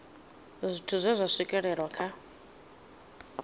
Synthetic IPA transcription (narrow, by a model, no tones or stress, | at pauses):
zʷitʰuzʷazʷasikʼɛɺɛɺwakʰa